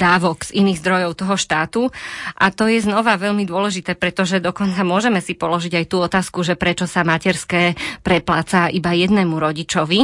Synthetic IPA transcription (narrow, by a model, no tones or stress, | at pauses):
d̪aːʋɔɡz̥iniːɣzd̪ɾɔjɔʊt̪ɔɦɔʃt̪aːt̪uʔat̪ɔjɛznɔʋaʋɛʎmid̪ʊɔlɛʒit̪ɛːpɾɛt̪ɔʒɛd̪ɔkɔnt͡samʊɔʒɛmɛsipɔlɔʒiɟajt̪uːɔt̪aːskuʒɛpɾɛt͡ʃɔsamacɛɾskɛːpɾɛplaːt͡saʔibajɛd̪nɛːmuɾɔɟit͡ʃɔʋi